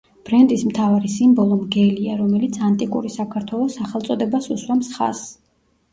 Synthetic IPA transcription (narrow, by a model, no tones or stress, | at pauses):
b̥ɾɛnt̪ʼismt̪ʰavaɾisimbɔlˠɔmɡɛliaɾɔmɛlit̪sʰant̪ʼikʼṵɾisakʰaɾt̪ʰwɛlˠɔsaχɛlˠt̪sʼɔd̪ɛbasuswamsχa̰s